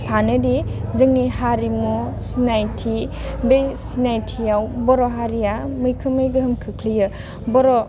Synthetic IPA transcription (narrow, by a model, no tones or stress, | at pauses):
sanɯdizɯŋnihaɾimu | sinajtʰibesinajtʰijawbɔɾɔɦaɾijamɯjkʰɯmɯjɡɯɦɯmkʰɯkʰlijɯ | bɔɾɔ